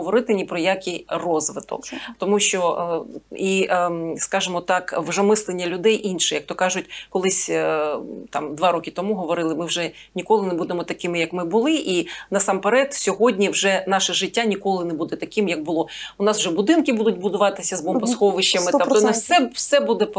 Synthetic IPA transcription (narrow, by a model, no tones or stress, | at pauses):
ɔʋɔɾɪt̪ɪnʲipɾɔjakʲijrɔzʋɪt̪ɔ̰kt̪ɔmuʃt͡ʃɔ | iskɑʒɪmɔt̪ɑkwʒɛmɪslˠenʲːɐlʲʊd̪ɛjʔinʃɛjɐkt̪ɔkɑʒʊtʲkɔlˠɪsʲ | t̪ɑmd̪ʋɑɾɔkʲɪt̪ɔmuɦɔʋɔɾɪlˠɪmɪwʒɛ | nʲikɔlˠɪnebud̪emɔt̪ɐkɪmɪjɐkmɪbʊlˠɪʔinɐsɑmpeɾɛt̪sʲɔɦɔdʲnʲiwʒɛnɑʃɛʒɪtʲːanʲikɔlˠɪnɛbud̪ɛt̪ɐkɪmjɐɡ̚bʊlˠɔʊnɑswʒɛbʊd̪ɪnkɪbud̪ʊtʲbʊd̪ʊʋɑt̪ɪsʲɐzbɔmpɔsxɔʋɪʃt͡ʃːɐmɪt̪t̪ɔnɛsɛwsɛbud̪ɛp